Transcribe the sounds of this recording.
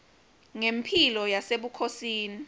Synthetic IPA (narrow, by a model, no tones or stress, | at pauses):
ŋempʰilɔjaseɓukʰosiːni